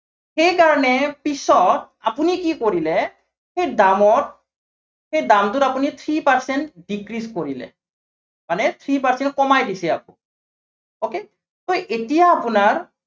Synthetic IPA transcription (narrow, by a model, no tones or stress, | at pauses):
xejkaɹɔnepisɔt | apunikikoɾilɛ | xejd̪amɔt | xejdamt̪uɾapunit̪ʰɹipaɹsenʈɖikɾiskoɹilɛ̰ | manet̪ʰɹipaɹsɛn̚kɔmajdisia̰k̚ṵ | oke | t̪oʔetijaːpunaɹ